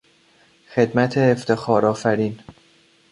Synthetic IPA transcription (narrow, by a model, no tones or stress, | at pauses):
xe̞d̪mæt̪ʰeːft̪ʰe̞xɒːɾɒːfæɾiːn